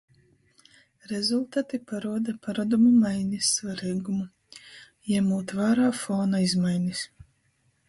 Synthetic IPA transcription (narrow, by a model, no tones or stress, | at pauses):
ɾɛzulˠt̪aːt̪ipaɾuɔd̪apaɾad̪umumajnʲisːvaɾiːɡumu | jɛmuːt̪vaːɾaːfɔːnaizmajnʲis